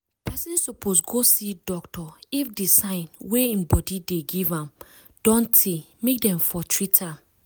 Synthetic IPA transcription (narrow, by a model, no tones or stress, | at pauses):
pɛsĩnsupʰosɡosidɔktɔifdisãɪ̃nweĩmbɔdideɡivãm | d̥ɔ̃ntʰe | mek̚dɛ̃ɱfɔtʰɹitʰãm